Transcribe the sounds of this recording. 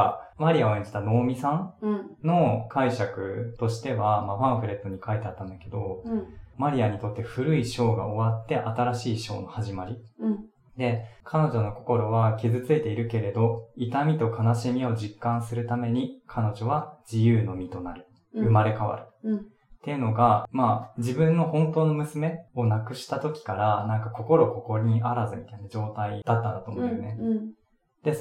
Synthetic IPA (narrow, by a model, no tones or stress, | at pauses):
maɾʲiaoẽɲ̟d͡ʑit̪ano̞ːmʲisãnno̞kaiɕakɯ̟t̪o̞ɕi̥t̪e̞βamaɸãɰ̃ɸɯ̟ɾe̞t̪ːo̞ɲ̟ikait̪e̞at̪ːãnd̪ake̞d̪o̞maɾʲiaɲ̟it̪o̞t̪ːe̞ɸɯ̟ɾɯ̟iɕo̞ːɡa̰o̞βat̪ːe̞ʔat̪aɾaɕiːɕo̞̰ːno̞haʑimaɾʲi | d̪e̞kʰano̞ʑo̞no̞ko̞̥ko̞ɾo̞βakʲizɨt͡sɨet̪e̞iɾɯ̟ke̞ɾe̞d̪o̞it̪amʲit̪o̞kanaɕimʲio̞d͡ʑikːãɰ̃sɨɾɯ̟t̪ame̞ɲ̟ikʰano̞ʑo̞βad͡ʑijɯːno̞mʲit̪o̞naɾɯ̟ | ɯ̟maɾe̞kaβa̰ɾɯ̟ | t̪ːe̞ɯ̟no̞ɡamad͡ʑibɯ̟̃nːo̞hõ̞nt̪o̞ːno̞mɯ̟sɨme̞o̞nakɯ̟ɕi̥t̪at̪o̞kʲi̥kaɾanãŋkako̞ko̞ɾo̞ko̞ko̞ɾʲɲ̟iʔaɾazɨmʲit̪ainad͡ʑo̞ːt̪aid̪̥at̪ːãnd̪at̪oːmõj̪one | d̪̥e̞